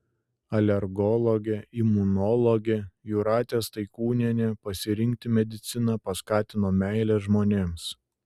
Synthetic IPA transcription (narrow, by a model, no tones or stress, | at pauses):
ɐlʲɛɾɡɔlˠɔɡʲeimʊnɔlˠɔɡʲejuɾɑːt̪ʲeːst̪ɐɪkuːnʲiɛnʲepɐsʲɪɾʲɪŋʲk̚t̪ʲɪmʲɛd̪ʲɪt̪sʲɪnɐpɐskɑːt̪ʲɪnoːmʲæˑɪlʲɛʒmoːnʲeːms